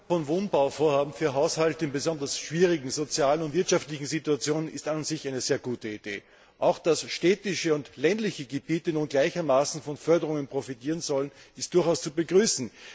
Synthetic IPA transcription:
fɔnvoːnbaʊfoːɐhaːbm̩fyːɐɦaʊshaltəɪnbəzɔndɐsʃv̥iːʁɪɡŋ̩zot͡sjaːlənʊntv̥ɪɐtʃaftlɪçŋ̩zituat͡sjoːnənɪstanzɪçʔaɪnəzeːɐɡuːtəid̥ḛː | ʔaʊxd̥asʃteːtɪʃəʊntlɛndlɪçəɡəbiːtənuːnɡlaɪçɐmaːsn̩fɔnfœɐdəʁʊŋənpʁ̥ofitiːʁənzɔlənɪstd̥ʊɐxaʊst͡subəɡʁyːsn̩

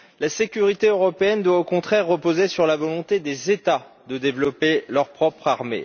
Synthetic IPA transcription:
lasekʲyʁit̪eøʁɔpeɛnd̪waokɔ̃t̪χɛʁːəpozesyʁlavɔlɔ̃t̪ed̪ezet̪ad̪əd̪evlɔpelœʁpχɔpχaʁmḛ

